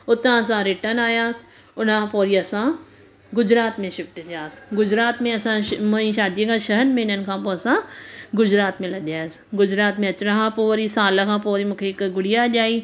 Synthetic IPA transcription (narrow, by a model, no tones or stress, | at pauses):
ʊt̪ːãːɐs̬ãːɾɪʈənaːjaːs | ʊnãːpoːɾiːɐsãː | ɡʊd͡ʒɾaːt̪mẽʃɪp̚ʈɪt͡ʃjaːsɡʊd͡ʒɾaːt̪mẽɐsãːməĩʃaːd̪ieɡãːʃəɦənmẽːnənkʰãːpoɐsãːɡʊd͡ʒɾaːt̪mẽːlɐɡjaːs | ɡʊd͡ʒɾaːt̪mẽɐt͡ʃɽãɦãːpoːɾiːsaːlɐkãːpoːɾiːmʊkʰeːkɡʊɽijaːd͡ʒaːiː